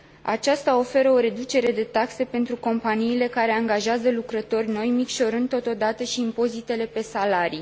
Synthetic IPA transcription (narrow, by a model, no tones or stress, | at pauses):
a̰t͡ʃast̪ao̞fe̞ɾəo̞ɾe̞d̪ut͡ʃe̞ɾe̞d̪e̞t̪akse̞pe̞nt̪ɾuko̞mpaniːle̞kaɾe̞aŋɡaʒeazəlukɾət̪o̞rʲno̞jmikʃo̞ɾɨnd̪o̞t̪o̞d̪at̪əʃiːmpo̞zit̪e̞le̞pe̞salaɾi